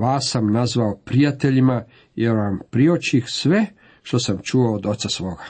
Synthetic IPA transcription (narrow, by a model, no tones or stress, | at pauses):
ʋaːsːamnazʋaopɾijat̪eʎima | jeɾʋampɾiot͡ɕixsʋe̞ | ʃt̪o̞samt͡ʃuoːd̪o̞t̪sasʋo̞ːɡa